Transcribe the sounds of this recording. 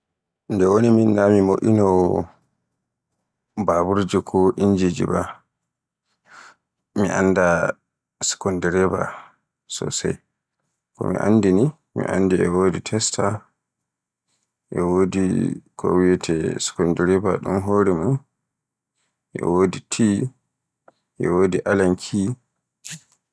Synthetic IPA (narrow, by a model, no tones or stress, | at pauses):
ndɛwoniminːamimoʔinɔ | babuɾd͡ʒɛkʰɔʔiɲd͡ʒid͡ʒḭba | miʔa̰nːda | sɛ̥kɔndɛɾɛba̰ | sɔ̰sa̰j | kɔ̰mḭʔa̰ndini | mḭʔa̰nːdiɛwoːditʰɛstʰa | ʔɛwoːdḭkʰo̰wijɛtʰɛsɛ̥kɔndɛɾɛbaɗumɦoːɾɛmun | ʔɛ̰woːditʰi | ʔɛwoːdiʔalankʰi